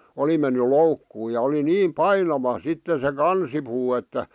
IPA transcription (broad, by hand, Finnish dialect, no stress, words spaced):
oli menːy loukːuː jɑ oli niːm pɑinɑʋɑ sitːe se kɑnsipuː etːæ